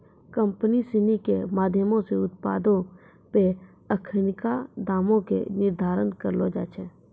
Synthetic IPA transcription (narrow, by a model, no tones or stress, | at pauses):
kə̃mpənisɪnikemaːd̪ʱjəmõseʊt̪̚pa̰ːd̪õ | pe | əkʰənɪkad̪aːmõkḛnɪɾd̪ʱaːɾənkəɾloːd͡ʒa̰ːt͡ʃʰɛː